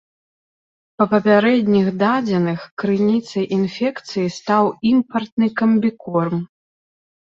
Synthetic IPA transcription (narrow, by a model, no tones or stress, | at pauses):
pɐpɐpʲaɾɛd̪ʲnʲiɣd̪ad͡zʲɛnɨxkɾɨnʲit̪sɐjʔinfʲɛkt̪sɨjist̪awimpɐrt̪̚nɨkɐmʲbʲikɔrm